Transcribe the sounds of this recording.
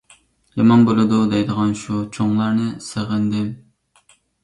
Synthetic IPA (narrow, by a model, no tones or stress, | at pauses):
jɑmɑnbolˠɨd̪ud̪ɛjd̪əʁɑnʃut͡ʃʰoŋlˠɑɾnɨsəʁənd̪ɪm